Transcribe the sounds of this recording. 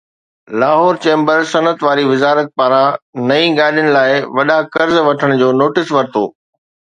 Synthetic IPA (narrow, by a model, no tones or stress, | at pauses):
laːɦɔːɾt͡ɕẽːmbəɾsɐnət̪ʋaːɾiʋɪzaːɾək̪̚paːɾãnɐĩɡaːɗijəɽ̃ɪ̆laːɪʋɐɗakɐɾzʋɐʈʰəɽ̃d͡ʑoːnoːʈɪsʋɐɾt̪ʰo̰ː